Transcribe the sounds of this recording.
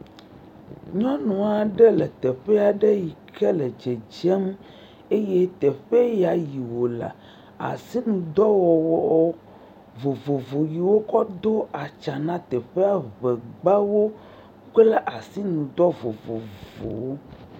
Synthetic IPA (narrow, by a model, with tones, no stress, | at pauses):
ɲɔ̃˦nũ˨a˨ɖɛ˦lɛ˨t̪ɛ˨ɸɛ˦a˨ɖɛ˦ji˨kʰɛ˦lɛ˨d͡ʒɛ˨d͡ʒɛ˦m | e˦je˦t̪ɛ˨ɸe˦ja˨ji˨wo˨la̰˨ | a̰˨si˦nũ˨d̪ɔ˦wɔ˨wɔ˦ | vo˨vo˨vo˨ji˨wo˦kɔ˦d̪o˦a˨t͡ʃa˨nã˦t̪ɛ˨ɸe˦a˨βɛ˨ɡ͡ba˦wo˦ | k͡plɛ˦ʔa˨si˦nũ˨d̪ɔ˦vo˨vo̰˨vo̰˨wo˦